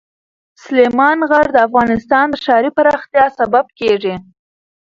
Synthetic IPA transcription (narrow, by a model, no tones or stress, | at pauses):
slemɑnɣaɾd̪əafɣɑnɪst̪ɑnd̪əʃɑɾipaɾɑxt̪jɑsabab̚keʐi